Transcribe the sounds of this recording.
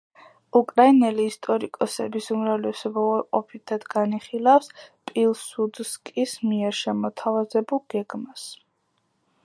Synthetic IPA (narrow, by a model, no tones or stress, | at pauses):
ukʼɾainɛliːst̪ʼɔɾikʼɔsɛ̰bisumɾavlɛsɔbaaɾqʼɔpʰit̪ʰad̪̥ɡaniχilˠafspʼilˠsud̪skʼismiɛɾʃɛmɔt̪ʰavazɛbulˠɡ̥ɛɡmas